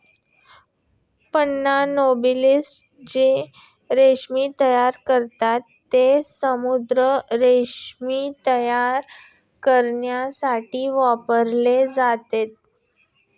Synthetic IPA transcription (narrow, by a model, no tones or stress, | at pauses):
pənːanobilisʈ | d͡ʑe | ɾeʂmiːt̪əjaɾkəɾt̪at̪ːesəmud̪ɾəɾeɕmit̪əjaɾ | kəɾɳjasaʈiːʋapəɾled͡zat̪et̪̚